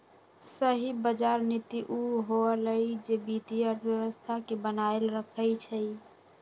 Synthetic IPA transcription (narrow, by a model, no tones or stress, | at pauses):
səɦibəd͡ʒaɾnit̪iʔuɦoələjd͡ʒebit̪iəɾt̪ʰʋjəʋəst̪ʰakebənaelɾəkʰəjt͡ʃʰə